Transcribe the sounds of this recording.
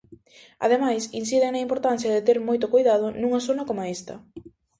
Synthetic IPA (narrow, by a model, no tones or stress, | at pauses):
a̰ðemajsinsiðeŋnɐimpoɾt̪an̟θjɐðet̪eɾmojt̪ʊkojðað̞ʊnũŋɐsonɐkomaest̪ɐ̰